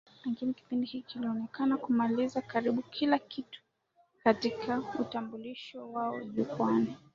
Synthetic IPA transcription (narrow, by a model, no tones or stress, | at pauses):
lɛŋɡiniki̥pindihikikiliɔnɛkanakumalizakaɾiɓukʰilakitu̥ | katikʰautambuliʃɔwaɔʄukwani